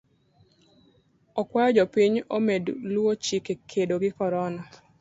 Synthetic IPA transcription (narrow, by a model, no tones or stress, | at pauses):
ɔkwajɔd͡ʒɔpiɲomedlwot͡ʃikekʰedoɡɪkɔɾɔnɔ